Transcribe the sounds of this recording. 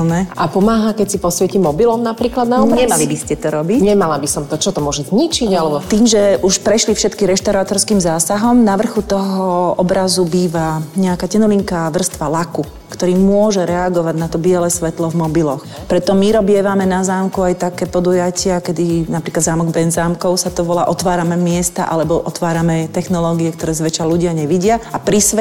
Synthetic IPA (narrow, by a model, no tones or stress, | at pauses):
nɛʔapɔmaːɦakɛcsipɔsʋɛcimɔbilɔmnapɾiːklad̪̚naɔbɾaɲɛmalibiscɛt̪ɔɾɔbicɲɛmalabisɔmt̪ɔt͡ʃɔt̪ɔmʊɔʒɛzɲit͡ʃiɟalɛbɔt̪iːmʒɛʔuʃpɾɛʃlifʃɛt̪kiɾɛʃt̪aʊɾaːt̪ɔɾskiːmzaːsaɦɔmnaʋr̩xut̪ɔɦɔɔbɾazubiːʋaɲɛakaːcɛnuliŋkaʋr̩st̪ʋalaku | kt̪ɔɾiːmʊɔʒɛɾɛaɡɔʋaɟnat̪ɔbɪɛlɛːsʋɛt̪lɔvmɔbilɔx | pɾɛt̪ɔmiɾɔbɪɛʋamɛnazaːmkuajt̪akɛːpɔd̪ujacɪakɛd̪inapɾiːklad̪zaːmɔɡbɛnzaːmkɔʊsat̪ɔʋɔlaːʔɔt̪ʋaːɾamɛmɪɛst̪a̰ʔalɛbɔʔɔt̪ʋaːɾamɛt̪ɛxnɔlɔːɡiɛkt̪ɔɾɛːzʋɛt͡ʃaluɟɪaɲɛʋiɟɪaapɾisɛ